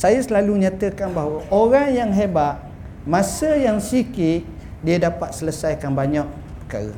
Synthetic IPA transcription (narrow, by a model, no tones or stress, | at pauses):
sajasəlaluɲãt̪əkanbaɦwəʔoɾaŋjaŋɦebat̪̚ | mãsəjaŋsikɪt̪̚ | diadapat̪̚sələsajkanbaɲak̚ | pə̥kaɾə̰